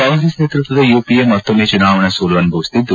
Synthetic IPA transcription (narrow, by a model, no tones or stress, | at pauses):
aːŋɡɾesneːt̪ɾut̪ʋɐd̪ɐjuːpiemːɐt̪ːomeːt͡ʃunaːʋɐɳɐsuːlɐʋɐnubʱɐʋist̪id̪